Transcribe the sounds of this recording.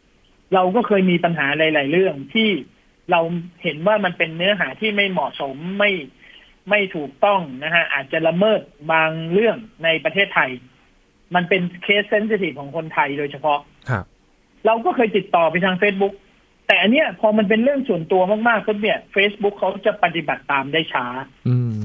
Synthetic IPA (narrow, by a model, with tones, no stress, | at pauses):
ɾa˧wkɔː˥˩kʰɤː˧jmiː˧pa˧nɦaː˩˦laː˨˩˦jlaː˩˦jɾɯ˥˩əŋt̪ʰiː˥˩ | ɾa˧whe˩˦nwaː˥˩ma˧npe˧nːɯ˦˥ɐɦaː˩˦t̪ʰiː˥˩ma˥˩jmɔ˨˩so˩˦mːa˥˩j | ma˥˩jt̪ʰuː˨˩k̚t̪ɔ˥˩ŋna˦˥kʰa˦˥ʔa̰ː˨˩t̪̚t͡ɕa˨˩la˧mɤː˥˩t̪̚baː˧ŋɾɯ˥˩əŋna˧jpɾa˧eː˥˩t̪ʰːa˧j | ma˧npe˧nkʰeː˦˥t̪̚se˦˥ns̬i˧t̪ʰi˨˩kʰɔː˩˦ŋkʰo˧nt̪ʰa˧jdoː˧jt͡ɕʰa˧pʰɔ˦˥ʔ | kʰ | ɾa˧wkɔː˥˩kʰɤː˧jt̪i˨˩t̪ːɔː˨˩pa˧jt̪ʰaː˧ŋfeː˦˥t̪̚bu˦˥k̚ | t̪ɛː˨˩ʔa˧nːi˦˥ɐpʰɔː˧ma˧npe˧nɾɯ˥˩əŋsu˨˩ənt̪u˧ɐmaː˥˩k̚maː˥˩kʰːa˦˥˩ni˥˩ɐfeː˦˥sbu˦˥kʰːa˦˥wt͡ɕa˨˩pa˧t̪i˨˩ba˨˩t̪ːaː˧mdaː˥˩jt͡ɕʰaː˦˥˧